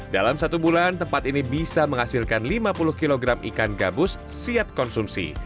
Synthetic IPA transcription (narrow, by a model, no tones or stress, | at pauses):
da̰lamsat̪ubulant̪əmpat̪inibisaməŋhasilkanlimapulʊhkiloɡɾamḭkanɡa̰bʊsːiat̪̚kɔnsumsḭ